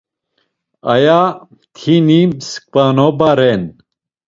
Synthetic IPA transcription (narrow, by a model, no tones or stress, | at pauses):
ɐ̰ja | t̪ʰinimsk̚panobaɾɛn